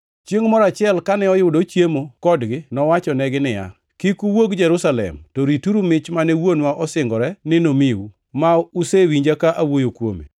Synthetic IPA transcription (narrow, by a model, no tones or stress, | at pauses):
t͡ʃjeŋmɔɾat͡ʃɪɛlkanɛɔjʊdot͡ʃjemokɔdɡɪnɔwat͡ʃɔnɛɡɪnɪja̰ | kikuwoɡd͡ʒɛɾusalɛ̰mtoɾituɾumɪt͡ʃmanɛwonwaʔɔsɪŋɡɔɾɛnɪnomɪwu | mausewiɲd͡ʒakaʔawojokwo̰mḛ